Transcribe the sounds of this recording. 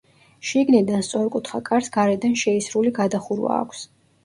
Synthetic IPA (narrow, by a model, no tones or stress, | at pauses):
ʃiɡnid̪anst̪sʼɔɾkʼut̪ʰχakʼaɾsɡaɾɛd̪anʃɛisɾuliɡad̪aχuɾwa̰ːkʷʰs